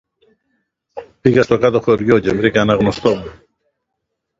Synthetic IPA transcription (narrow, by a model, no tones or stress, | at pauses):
piɣɐst̪okat̪oxoɾʝocemɾikɐnɐɣnost̪omu